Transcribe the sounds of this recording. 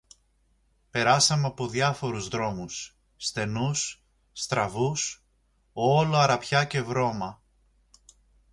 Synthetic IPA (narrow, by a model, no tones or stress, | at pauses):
pe̞ɾɐsɐmeɐpo̞ðjɐfo̞ɾuzðɾo̞musː | t̪e̞nusː | t̪ɾɐvus | oloɐɾɐpçɐce̞vɾo̞mɐ